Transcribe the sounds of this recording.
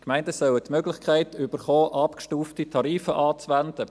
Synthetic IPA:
kmæɪndəsœwətmøɡlɪχkʰχæɪtʏbəɾχoːʔɑpkʃtuːftitʰɑɾiːfəʔɑːt͡sʋændə

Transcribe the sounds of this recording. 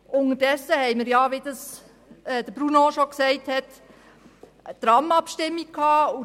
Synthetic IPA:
ʔʊnədɛsːəhɛɪməɾjɑʋed̥ɑs | ɛd̪əb̥ɾunoʃɔksɛɪthɛt | t̪ɾɑmɑpʃtɪmːikkʰhɑːu

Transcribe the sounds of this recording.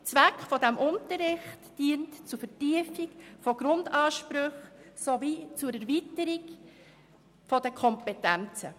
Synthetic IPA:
t͡sʋækχfɔdɛmʔʊntəɾɪχtd̥iːəntt͡sufətiəfikfɔɡ̥ɾʊndɑːʃpɾɵχsɔvit͡suɾɛɾvitəɾiɡ | fɔd̥əkʰɔmpɛtænt͡sə

